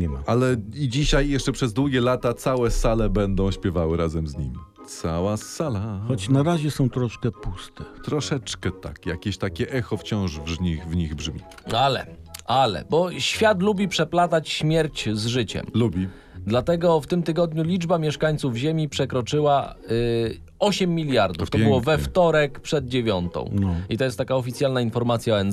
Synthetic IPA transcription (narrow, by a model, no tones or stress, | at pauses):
ɲɛmaalɛid͡ʑiɕajːjɛʂt͡ʂɛpʂɛzd̪wuɡʲɛlat̪at̪sawɛsalɛbɛnd̪ɔ̃w̃ɕpʲjɛvawɘɾazɛmzɲḭmʲi | t̪sawasalaxɔt͡ɕnaɾaʑɛsɔ̃w̃t̪ɾɔʂkɛpust̪ɛt̪ɾɔʂɛt͡ʂkɛt̪a̰kja̰kʲeɕt̪akʲɛʔɛxɔft͡ɕɔ̃w̃ʐvɲixvɲiɣbʐmʲḭ | alɛ̰alɛ̰bɔɕfʲjat̪̬lubʲipʂɛplat̪at͡ɕɕmʲjɛɾt͡ɕzʐɘt͡ɕɛ̰mlubʲi | d̪lat̪ɛɡɔft̪ɘmt̪ɘɡɔd̪ɲulʲid͡ʐbamʲjɛʂkaɲt̪suvʑemʲipʂɛkɾɔt͡ʂɘwa | ɔɕɛmʲːilʲjaɾd̪uft̪ɔbɨwɔvɛft̪ɔɾɛkpʂɛd̪̚d͡ʑevʲjɔnt̪ɔ̰̃w̃nit̪ɔjɛst̪ːakaɔfʲit̪sjalnainfɔɾmat̪sʲjaɔɛn